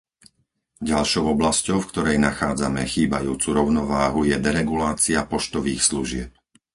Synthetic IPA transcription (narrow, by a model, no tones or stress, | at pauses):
ɟalʃɔʊɔblascɔʊfkt̪ɔɾɛjnaxaːd͡zamɛ̰xiːbajuːt͡suɾɔʊnɔʋaːɦujɛd̪ɛɾɛɡulaːt͡siapɔʃt̪ɔʋiːxsluʒɪɛp̚